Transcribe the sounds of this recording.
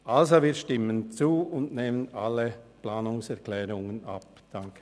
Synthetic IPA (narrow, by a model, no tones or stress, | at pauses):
ʔalzoviːɐʃtɪmənt͡suːʊndneːmənaləplaːnʊŋsɛʁkʰlɛːʁʊŋəna̰p | d̥aŋkə̥